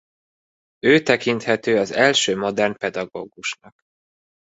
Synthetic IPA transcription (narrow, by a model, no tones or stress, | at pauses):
øːt̪ɛkint̪hɛt̪øːɒzɛlʃøːmo̞d̪ɛrnpɛd̪ɒɡo̰ːɡuʃnɒk